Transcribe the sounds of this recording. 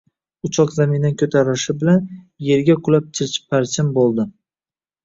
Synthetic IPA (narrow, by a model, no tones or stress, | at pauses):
ʊt͡ʃʰɒqzaminːankʲʰɵt̪ʰaɾɪʃɪbɪlan | je̞ɾɡʲaqʰʊlap̚t͡ʃʰɪɾt͡ʃʰɪ̥pʰːaɾt͡ʃʰɪmbolˠd̪ɪ